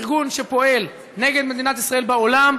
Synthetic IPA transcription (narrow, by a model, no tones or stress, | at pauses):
ʁɡunʃepo̞e̞l | neɡe̞d̪me̞d̪inat̪isʁae̞lbaolam